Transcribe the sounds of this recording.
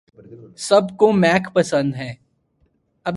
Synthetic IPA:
sɐbkomɛːkpɐsə̃nd̪ɦɛː | ɐb

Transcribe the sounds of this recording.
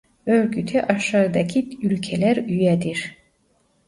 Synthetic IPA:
øɾɡyt̪ʰɛʔɑʃɑɾd̪ɑkʰiylcʰɛlæɾyjɛd̪iɾ̥

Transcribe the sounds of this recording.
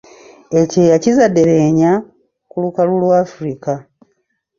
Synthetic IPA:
e̞ceːjacizadeɾeɲa | kulukalulwaːfuɾika

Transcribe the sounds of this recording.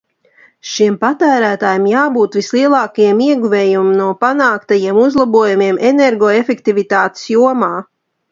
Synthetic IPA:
ʃimpat̪æːɾæːt̪aːjemjaːbuːt̪ʋislˠiɛlˠɑːkajimiɛɡuveːjummnuɔpanaːkt̪ajiɛmuzlˠabuɔjumiɛmʔeneɾɡɔːefekt̪ivit̪aːt̪ɪ̥sjuɔmaː

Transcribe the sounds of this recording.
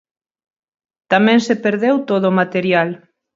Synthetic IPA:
t̪amɛ̃ŋsepeɾðewt̪oðoːmat̪eɾjal

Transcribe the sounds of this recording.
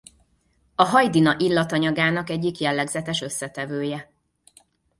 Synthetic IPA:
ɒɦɒjd̪inɒʔilːɒt̪ɒɲɒɡaːnɒkɛɟːikjɛlːɛɡzɛt̪ɛʃø̞sːɛt̪ɛvøːjɛ

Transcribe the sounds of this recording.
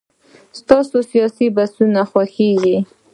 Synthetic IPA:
st̪ɑsosijɑsibasunaxwaxeɡi

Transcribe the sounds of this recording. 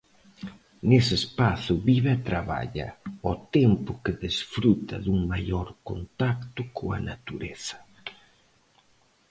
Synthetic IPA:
nesɪespaθʊβiβat̪ɾaβa̰ʎɐ̰ɔt̪ɛmpʊkɪðesfɾut̪ɐ̰ðuŋmajoɾko̰nt̪akt̪ʊkʰoa̰nat̪uɾeθɐ̥

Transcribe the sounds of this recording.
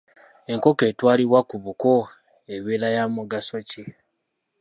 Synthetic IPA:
e̞ŋko̞ke̞ːtwaːliβwakuβuko | eβelajamuɡasoci

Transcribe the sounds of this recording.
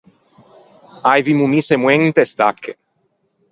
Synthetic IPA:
ajvimumisemwent̪est̪akʰːe

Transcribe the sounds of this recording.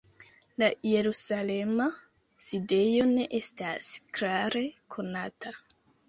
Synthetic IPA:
laje̞ɾusale̞ma | side̞jo̞ne̞ʔe̞stasklaɾe̞kʰo̞natʰa

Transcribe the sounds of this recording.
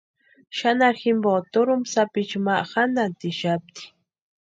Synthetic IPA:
ʃanaɾxɪmbot̪oɾʊmsapit͡ʃmaʔxanat̪ɪʃap̚t̪i̥

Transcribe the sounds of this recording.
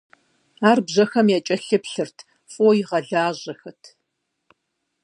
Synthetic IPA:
aːrbʑɐxɐmjaːt͡ʃʼɐɬɨpɬɨrtʰ | fʼoːjɪʁɐɮaːʑɐxɐtʰ

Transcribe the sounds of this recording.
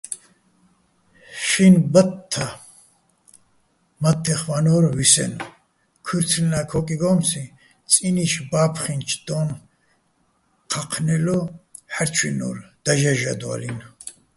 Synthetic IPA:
ʃinbat̪ʰːa | mat̪ʰːɛχvanɔɾvisɛ̰n | kʰuɾt͡sʰlnakʰɔkʼiɡɔmsi | t͡sʼiniʃbaːpʰχint͡ʃʰd̪̥ɔn | qʰaqʰnɛlɔ | ħaɾt͡ʃʰwinɔ̰ːɾd̪̥aʒaʒad̪a̰lin

